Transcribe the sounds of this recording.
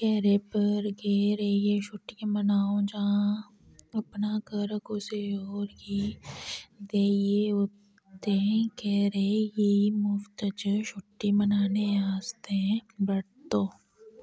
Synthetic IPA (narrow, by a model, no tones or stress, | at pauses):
kɛːɾepɐɾɡeːɾejeʃʊʈːimɐnaːõd͡ʒɐɦã | ɐpnakəɾəkoseoːɾki | d̪eːjeɦo | t̪eɦɛ̃kɛːɾejeimʊft̪əd͡ʒəʃʊʈːimɐnaːneaːst̪eɦɛ̃bɐɽt̪oː